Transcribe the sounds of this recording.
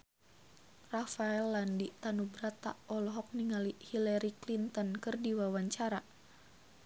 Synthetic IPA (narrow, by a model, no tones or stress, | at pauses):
rafaɛlːandit̪anubɾat̪a̰ʔɔlɔɦɔk̚niŋalihilaɾiklint̪ɔnkɨrdiwawaɲt͡ʃaɾa